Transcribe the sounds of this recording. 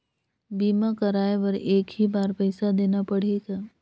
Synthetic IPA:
biːmakɐɾaːeʋɐɾeːkɦibaːɾpɛɪsad̪eːnapɐɽ̤eːɡaː

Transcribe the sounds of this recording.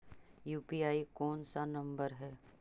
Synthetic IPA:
juːpiːaːikɔːnsanɐ̃mbəɾɦɛː

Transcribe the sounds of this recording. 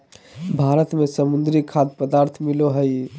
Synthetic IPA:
bʱaɾət̪mesəmund̪ɾikʰad̪pəd̪aɾt̪ʰmiloɦəj

